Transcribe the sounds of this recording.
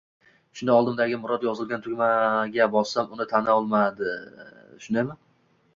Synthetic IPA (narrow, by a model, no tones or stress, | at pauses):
ʃʊnd̪aɒlˠd̪ɪmd̪aɡʲɪmʊɾɒd̪jɒzɪlˠɡʲant̪ʰʊkʲmaɡʲabɒsamʊnɪt̪ʰanɒlˠmad̪ɪʃʊnd̪ajman